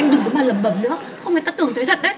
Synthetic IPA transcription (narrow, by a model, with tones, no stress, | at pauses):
mɗɨ˨˩ŋəː˨˦maː˨˩lə˨˩mɓə˨˧˩mnɨ˦˥ək̚xə˧wŋ͡mfa˨˩t̪aː˦˥t̪ɨ˨˩əŋt̪ʰə˨˦t̪ʰə˨˩ɗə˨˦